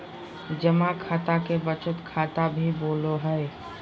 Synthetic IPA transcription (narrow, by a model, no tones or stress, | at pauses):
d͡ʒəmakʰaːt̪akebət͡ʃʊt̪kʰaːt̪abʱiboːloɦɛe